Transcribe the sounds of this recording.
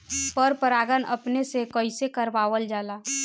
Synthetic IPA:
pəɾpəɾaːɡənɐ̰pnesekoisekəɾʋaːʋəld͡ʒaːlaː

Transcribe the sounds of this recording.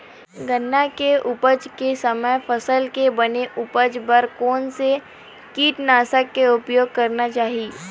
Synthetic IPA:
ɡənːakeʔʊpəd͡ʒkesɐməjfʰəsəlkebɐneʔʊpəd͡ʒbəɾkɔːnse | kiːʈnaːsəkːeʊpjoːɡ̚kɐɾnat͡ʃaːɦii

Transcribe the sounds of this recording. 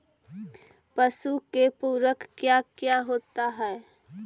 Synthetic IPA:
pəsukepuːɾwəkːjakjaɦoːt̪aɦɛ

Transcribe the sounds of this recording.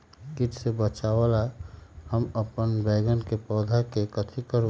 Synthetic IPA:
kiʈsebət͡ʃaʋalahəməpənbɛɡənkepɔːd̪ʱakekət̪ʰikəɾ

